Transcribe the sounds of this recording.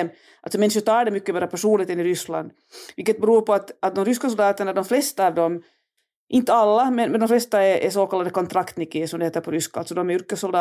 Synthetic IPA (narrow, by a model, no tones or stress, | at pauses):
m | alt̪sɔmɛnʂət̪ʰɑːɖɛmʏkːəbɛɾːapʰæʂuːnlɪɡ̚t̪ɛnɪɾʏsla̰nd̪ | vɪlkːət̪̚bɛɾuːɾpɔat̪at̪̚d̪ɔmɾʏskasɔld̪ɑːt̪əɳaɖɔmflɛst̪aːvd̪ɔm | ʔɪnt̪əalːamɛnmɛnd̪ɔmflɛst̪aɛɾʔɛ̰soːkʰalːad̪əkʰɔnt̪ʰɾakt̪nɪkesɔmd̪ɛheːt̪əɾpʰɔɾʏskaa̰lt̪sɔd̪ɔmɛɾʏɾkəsːɔld̪ɑː